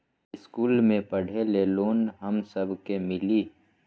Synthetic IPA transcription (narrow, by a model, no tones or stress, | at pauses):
ɪskuːlmẽpəɽ̤eleloːnɦəmsəbʱkemɪliː